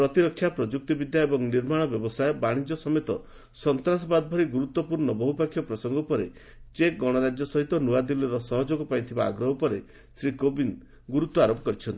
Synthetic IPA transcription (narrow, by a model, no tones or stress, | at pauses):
pɾɔt̪iɾɔkʰːjapɾɔd͡ʒuk̚t̪ibid̪ʱjaebɔŋniɾmaɽ̃ɔbjɔbɔsajbaɽ̃id͡ʒɔsɔmet̪ɔ | sɔnt̪ɾasɔbad̪ɔbʱɔɾiɡuɾut̪ːɔpuɾɳɔbɔɦupakʰːjɔpɾɔsɔŋɡɔpɔɾḛ | t͡ʃeɡɔɽ̃ɔɾad͡ʒjɔsɔɦit̪ɔnuad̪ilɔɾɔsɔɦɔd͡ʒoɡɔpaj̃t̪ʰibaːɡɾɔɦɔpɔɾe | sɾikobin | ɡuɾut̪ːwɔaɾopɔ̥kɔɾit͡ʃʰɔnt̪i̥